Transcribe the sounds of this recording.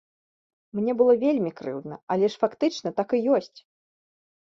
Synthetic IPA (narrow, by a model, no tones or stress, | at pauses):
mnʲɛbɨlˠɔvʲelʲmʲikɾɨ̰wd̪nɐɐlʲɛʂfakt̪ɨt͡ʂnɐt̪akɨjɔsʲt͡sʲ